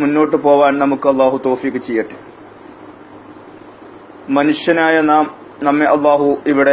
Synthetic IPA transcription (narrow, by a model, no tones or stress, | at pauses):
munːo̞ːʈːɨpo̞ːʋaːnnɐmukːɨɐlːaːɦut̪o̞ːfiːkːɨt͡ɕejːɐʈːɨ | mɐnuʂjɐnaːjɐnaːm | nɐmːeʔɐlːaːɦuiʋiɽe